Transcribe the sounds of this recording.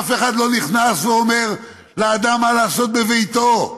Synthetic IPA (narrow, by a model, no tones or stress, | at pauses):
afeχad̪lo̞niχnasveome̞ʁ | leaːd̪amːalaːso̞t̪̚bevejt̪o̞